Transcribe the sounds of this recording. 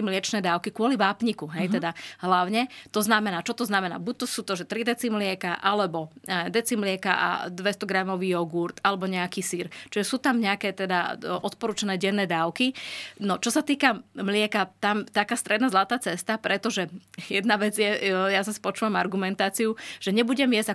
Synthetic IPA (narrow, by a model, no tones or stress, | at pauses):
mlɪɛt͡ʃnɛːd̪aʊkikʊɔliʋaːpɲikuɦɛjt̪ɛd̪aɦlaʊɲɛt̪ɔznamɛnaːt͡ʃɔt̪ɔznamɛna̰ːbuc̚t̪ɔsuːt̪ɔʒɛt̪ɾid̪ɛt͡simlɪɛkaʔalɛbɔɛd̪ɛt͡simlɪɛka̰ʔa̰d̪ʋɛst̪ɔɡɾamɔʋiːjɔɡuɾt̪alɛbɔɲɛakiːsiɾt͡ʃiʒɛsuːt̪amɲɛakɛːt̪ɛd̪aʔɔt̪pɔɾuːt͡ʃanɛːɟɛnːɛːd̪aːʊkinɔt͡ʃɔsat̪iːkamlɪɛkat̪amt̪akaːst̪ɾɛd̪nazlˠat̪aːt͡sɛst̪apɾɛt̪ɔʒɛjɛd̪naʋɛd͡zjɛjasɔsi̥pɔt͡ʃuːʋamaɾɡumɛnt̪aːt͡sijuʒ̥ɛɲɛbuɟɛmjɛzɟa